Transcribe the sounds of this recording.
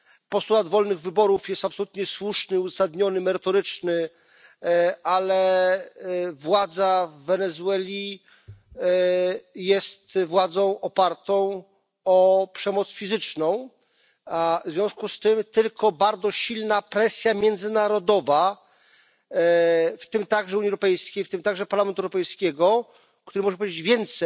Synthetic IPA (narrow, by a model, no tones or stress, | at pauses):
pɔst̪ulad̪vɔlnɘɣvɘbɔɾufjɛst̪apsɔlut̪ɲɛswuʂnɘuzasad̪ɲɔnɘmɛɾɘt̪ɔɾɘt͡ʂnɘ | ʔalɛ | vwad̪zavːɛnɛzuwɛlʲi | jɛst̪vwad̪zɔ̃w̃ʔɔpaɾt̪ɔ̃w̃ | ɔpʂɛmɔt̪sfʲizɘt͡ʂnɔ̃w̃ | vzvʲjɔ̃w̃skust̪ɘmt̪ɘlkʰɔbaɾd̪zɔɕilnapɾɛsʲjamʲjɛnd̪zɘnaɾɔd̪ɔva | ft̪ɘmt̪aɡʐɛuɲiɛwɾɔpɛjskʲejft̪ɘmt̪aɡʐɛpaɾlamɛnt̪ɛwɾɔpɛjskʲɛɡɔ | kt̪uɾɘmɔʐɛpɔved͡ʑed͡ʑvʲjɛnt̪sɛ